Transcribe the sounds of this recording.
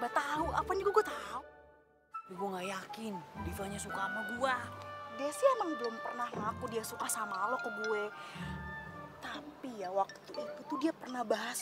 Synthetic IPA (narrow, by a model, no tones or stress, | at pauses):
bat̪auapaɲaɡaɡuat̪au | daɡuaŋɡajakɪnbit̪aɲasukamaɡuadɛsiaməŋbəlʊmpərnahmŋakudiasukasamalokəɡue | t̪apijawak̚t̪uit̪ut̪udiapərnahbaɦas